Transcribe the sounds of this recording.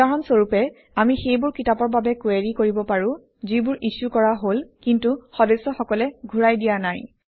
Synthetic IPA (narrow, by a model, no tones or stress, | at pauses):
ansoɹupɛ | amixejbʊɹkitapɔɹbabɛkweɹikoɹibɔpaɹʊ̃ | zibʊɹʔisukɔɹaɦolkintuxɔdesːɔxɔkɔlɛɡʱuɹajdijanaj